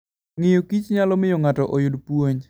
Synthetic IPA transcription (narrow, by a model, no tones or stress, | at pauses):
ŋɪjokit͡ʃɲalɔmɪjoŋatɔʔɔjʊdpwoɲ